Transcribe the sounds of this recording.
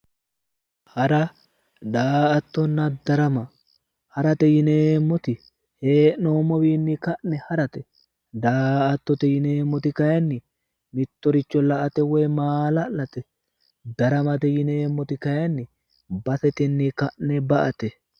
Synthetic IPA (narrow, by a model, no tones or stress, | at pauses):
hɐɾɐ | d̪aːɐt̪ːɔnːɐd̪ɐɾɐmɐ | hɐɾɐt̪ɛjɪneːmːɔt̪ɪ | heːnoːmɔwiːnːɪkɐʔnɛhɐɾɐt̪ɛ | d̪aːʔɐt̪ːɔt̪ɛjɪneːmːɔt̪ɪkɐjɐnːɪ | mɪt̪ːɔɾɪt͡ʃːɔlɐʔɐt̪ɛwɔjmaːlɐlɐt̪ɛ | d̪ɐɾɐmɐt̪ɛjɪneːmːɔt̪ɪkɐjɐnːɪ | bɐsɛt̪ɪnːɪkɐʔnɛbɐʔɐt̪ɛ